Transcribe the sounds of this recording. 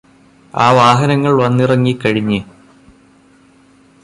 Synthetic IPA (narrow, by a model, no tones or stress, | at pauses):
aːʋaːɦɐnɐŋːɐɭʋɐnːirɐŋːikːɐɻiɲːɨ